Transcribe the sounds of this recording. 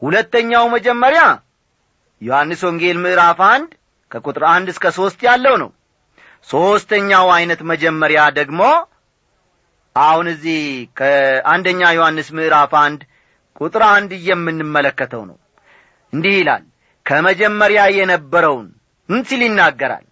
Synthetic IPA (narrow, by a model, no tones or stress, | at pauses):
hulət̪ːəɲːawməd͡ʒɛmːəɾja | johanːɨswoŋɡe̞lmɨʔɾafand̪ | kʰəkʼut̪ʼɾand̪ɨskʰəso̞st̪jalːəwnə̰w | so̞st̪əɲːawajnət̪məd͡ʒɛmːəɾjad̪əɡmo̞ | ʔahunɨzːihkʰəand̪əɲːajohanːɨsmɨʔɾafand̪ | kʼut̪ʼɾand̪ɨjːɛmːɨnːɨmːələkːət̪ʰə̰wnə̰w | ʔɨnd̪ihila̰l | kʰəməd͡ʒɛmːəɾjajɛnəbːəɾəwn | ɨnsiljɪnːaɡːəɾa̰l